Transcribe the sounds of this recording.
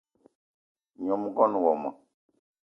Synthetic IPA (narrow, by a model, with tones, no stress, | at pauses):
ɲɔ̃˨mu˦kɔ˦nũ˨wɔ˨ma̰˨